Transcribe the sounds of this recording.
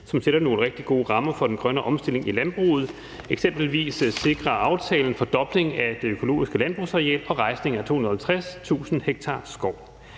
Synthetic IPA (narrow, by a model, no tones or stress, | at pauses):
sɒ̽mseɾ̥ɐno̝ːləʁeɡ̥̚d̥iɡ̥o̝ːʁɑ̈mɐfɒ̽d̥enɡ̥ʁɶnəʔɒ̽msd̥e̝le̝ŋilænb̥ʁṵːð̩ˠ | eɡ̥sem̰b̥l̩ʋḭːsse̝ɡ̥ʁɐɑ̈ʊt͡sʰɛːln̩fɒ̽d̥ɒ̽b̥le̝ŋæd̥e̝økʰo̝lo̝̰ːisɡ̥əlænb̥ʁusʁɑɛ̰ːlɒ̽ʁɑ̈ɪsne̝ŋæt͡sʰo̝̰hunð̩ˠhælt͡sʰʁast͡sʰṵːsn̩heɡ̥̚t͡sʰɑ̈ːsɡ̥ɒʊ̰